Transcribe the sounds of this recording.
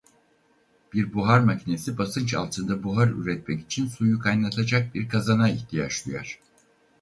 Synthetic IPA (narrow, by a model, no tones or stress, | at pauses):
b̥iɾbuɦaɾmacʰine̞sibasɯnt͡ʃa̰lˠt̪ʰɯnd̪abuɦaɾy̰ɾɛt̪mɛci̥t͡ʃʰinsujukʰajnˠat̪ʰad͡ʒak̚biɾkʰazanaiht̪ʰija̰t͡ʃlˠuja̰ɾ̝̥